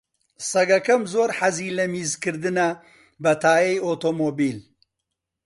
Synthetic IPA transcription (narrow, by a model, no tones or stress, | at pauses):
sɐɡɐkɐmzoːɾħaziːlɐmiːzkɨɾd̪ɨnɐ | bɐt̪ʰaːjɐjoːt̪oːmoːbiːl